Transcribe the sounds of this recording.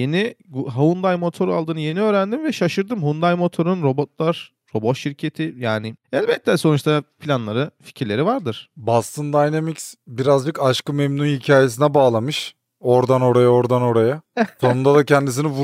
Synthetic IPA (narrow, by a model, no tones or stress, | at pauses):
je̞niɡɦaund̪ajmo̞t̪ʰo̞ɾa̰lˠd̪ɯːnɯje̞niøːɾænd̪imvɛʃaʃɯɾd̪ɯmɦund̪ajmo̞t̪ʰo̞ɾunɾo̞bo̞t̪lˠaɾ̥ː | o̞bo̞t̪ʃiɾcʰe̞t̪ʰɪjaːnɪɛlʲbɛt̪ʰːɛso̞nut͡ʃt̪ʰapʰilʲanlˠaɾɯfi̥cʰiɾlʲe̞ɾivaɾd̪ɯɾ̥bast̪ʰɯnd̪ajnamicsbiɾazd͡ʒɯkaʃkɯmemnunhicʰaːje̞s̬inɛbaːlˠamɯʃ | o̞ɾd̪ano̞ɾajao̞ɾd̪ano̞ɾajaso̞nund̪ad̪acʰɛnd̪isinivu